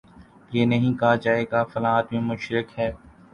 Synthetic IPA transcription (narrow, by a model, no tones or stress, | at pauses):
jeːnɐɦĩːkaad͡ʒaːeːɡaːfɐlaːt̪mẽmʊʃɾɪkɦɛː